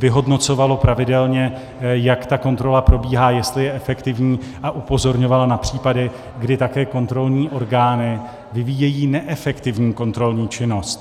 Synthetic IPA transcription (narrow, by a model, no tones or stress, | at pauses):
vɪɦo̞dno̞t͡so̞valo̞pɾavɪdɛlɲɛ | jakt̪ako̞nt̪ɾo̞lapɾo̞biːɦaːjɛst̪lɪjɛʔɛfɛkt̪ɪvɲiː | ʔaʔupo̞zo̞ɾɲo̞valanapr̝̥iːpadɪ | ɡdɪt̪akɛːko̞nt̪ɾo̞lɲiːʔo̞ɾɡaːnɪ | vɪvijɛjiːnɛʔɛfɛkt̪ɪvɲiːko̞nt̪ɾo̞lɲiːt͡ʃɪno̞st̪